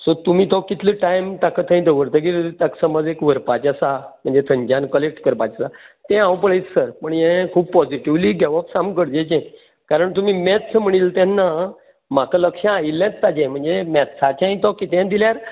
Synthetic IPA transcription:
sot̪um̤ĩːt̪ɔkːit̪ʰləʈajmt̪akʰət̪ʰə̃ĩd̪əʋəɾt̪ək̬iɾt̪aksəməd͡zekʋəɾpat͡ɕasam̤əɳd͡zet̪ʰəɲd͡ʑãnkəlek̚ʈkəɾpat͡ɕasat̪ɛ̃ãwp̬əɭet͡ssəɾpəɳjɛ̃kʰuːb̚pɔd͡ziʈiʋliːɡɛʋɔpsamkəɽd͡ʑẽd͡ʑɛ̃ | kaɾəɳt̪um̤iːmɛt̪səm̤əɽ̃iːlt̪ɛ̃nːa | makələkʂãːilẽt͡st̪ad͡ʑɛ̃m̤əɳd͡zemɛt̪sat͡ɕãĩt̪ɔkit̪ɛ̃d̪iljaɾ

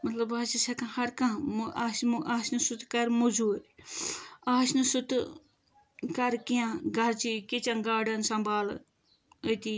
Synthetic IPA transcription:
mɐt̪lɐbɐt͡ʃisɐkãhɐɾkãmaːsmʔaːsnɨsut̪kɐɾmuzuːɾ | aːʃnɨsut̪ | kɐɾkijãɡɐɾt͡ʃikit͡ʃɐnɡaːɖɐnsɐmbʱaːl | ət̪i

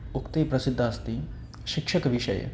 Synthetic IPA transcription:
ʊkt̪epɾəsɪd̪ʱːaːst̪iː | ʃɪkʃəkʋɪʃə̰j̰

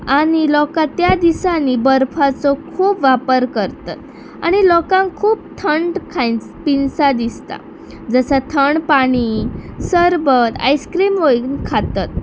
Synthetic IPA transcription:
aɽ̃ilɔkat̪jad̪isanibəɾfʰat͡sɔkʰuːpʋapəɾkəɾt̪a̰t̪̚ | aɽ̃ilɔkãŋkʰuːp̚t̪ʰəɳɖkʰãjt͡s | pinsad̪ist̪a̰ | d͡zəsat̪ʰəɳpaɽ̃isəɾbət̪a̰jskɾimʋoiɡnkʰat̪at̪̚

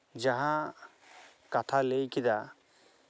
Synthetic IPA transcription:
d͡ʒaɦã | kat̪ʰalejkid̪a

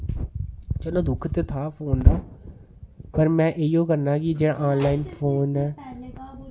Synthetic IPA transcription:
t͡ʃɛːlõːd̪ʊkʰt̪eːt̪ʰaːpʰoːnd̪aː | pəɾmɛ̃ːʔeijõːkəɾnaːkid͡ʒeːɽa̰ːʔaːnlaːiːnpʰoːnɛː

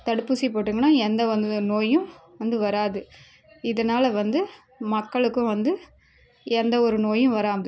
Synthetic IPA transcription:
t̪ɐɽɯpːɯsipoːʈːɯŋɡɐnaːɛnd̪ɐʋɐnd̪ɯnoːjɯ̃ʋɐnd̪ɯʋɐɾaːðɯ | ɪðɐnaːlɐʋɐnd̪ɯ | mɐkːɐɭɯkːʊ̃ʋɐnd̪ɯ | ɛnd̪ɐɔɾɯnoːjɯ̃ʋɐɾaːmɐðɯ

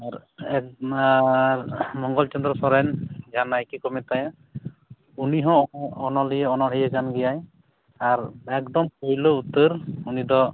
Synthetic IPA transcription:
aɾɛk | mɔŋɡɔlt͡ʃɔnd̪ɾɔsɔɾɛnɡanajkikɔmɛt̪aja | uniɦɔ̃ɔnɔlijɛɔnɔɽijɛɡanɡijaj | aɾɛkd̪ɔmkojlout̪ɯɾunid̪ɔ

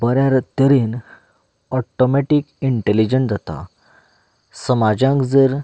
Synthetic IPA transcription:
bəɾjaɾt̪əɾiːn | ɔʈomeʈikiɳʈelid͡ʑənd͡zat̪a̰ | səmad͡ʑãŋkd͡zəɾ

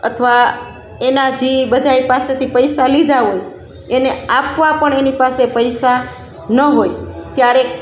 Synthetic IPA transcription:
ə̰t̪ʰəʋa | enad͡ʒibəd̪ʱajpaset̪ʰipəjsalid̪ʱaɦoj | eneapʋapəɳenipasepəjsa | nəɦojt̪jaɾe

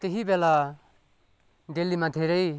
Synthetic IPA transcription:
t̪eɦibela | ɖelːimãd̪ʱeɾʌj

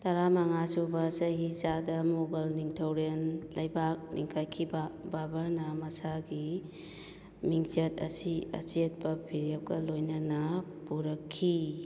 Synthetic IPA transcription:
tɐɾamɐŋasubɐsɐɦizadɐmoɡɐlniŋtʰɐwɾenlɐjbak̚nḭŋkʰajkʰibababɐɾnɐmɐsaɡi | miŋt͡ʃɐt̚ɐ̰siɐ̰set̚bɐpʰiɾep̚ɡɐlojnɐnɐ | puɾɐkʰːi

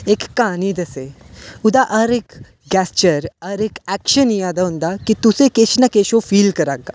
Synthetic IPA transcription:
ekːaniːd̪əse | ud̪aʔəɾek | ɡɛst͡ɕəɾəɾekækɕənijad̪aũnd̪akit̪usekeɕnakeɕofiːlkəɾaɡa

